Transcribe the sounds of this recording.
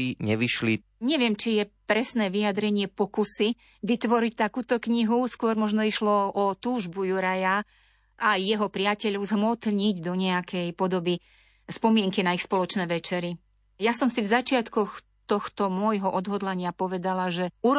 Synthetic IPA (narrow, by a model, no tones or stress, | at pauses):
iɲɛʋiʃli | ɲɛʋɪɛmt͡ʃijɛpɾɛsnɛːʋijad̪ɾɛɲɪɛpɔkusi | ʋit̪ʋɔɾic̚t̪akuːt̪ɔkɲiɦuskʊɔɾmɔʒnɔiʃlɔɔt̪uːʒbujuɾaja | ʔajːɛɦɔpɾɪacɛʎɔʊzɦmɔt̪ɲiɟd̪ɔɲɛakʰɛjpɔd̪ɔbi | spɔmɪɛŋkinaixspɔlɔt͡ʃnɛːʋɛt͡ʃɛɾi | jasɔmsivzat͡ʃɪat̪kɔx | t̪ɔxt̪ɔmʊɔjɦɔʔɔd̪ɦɔd̪laɲɪapɔʋɛd̪alaʒɛuɾ